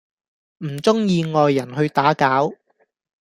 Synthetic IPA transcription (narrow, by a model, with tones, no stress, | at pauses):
m̩˨˩t͡sʊ˥ŋjiː˧ŋɔː˨jːɐ˨˩nɦɵ˧ɥt̪aː˨˥kaː˨˥w